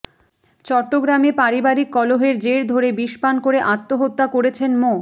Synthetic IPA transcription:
t͡ɕɔʈːoɡɾamepaɾibaɾikːɔloɦeɾd͡ʑeɾd̪ʱoɾebiʃpankoɾeʔat̪ːoɦot̪ːakoɾet͡ɕʰenmo

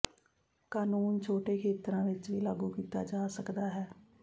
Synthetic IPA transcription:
kaːnuːnt͡ʃʰoːʈeːkʰeːt̪ɾãːʋɪt͡ʃʋiːlaːɡuːkiːt̪a̰ːd͡ʒaːsəkd̪aːɦɛː

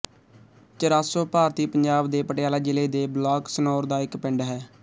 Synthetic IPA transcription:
t͡ʃəɾaːsoːpaːɾt̪iːpəɲd͡ʒaːbd̪eːpəʈɪjaːlaːd͡ʒɪleːd̪eːblaːksənoːɾd̪aːɪkpɪɳɖɦɛː

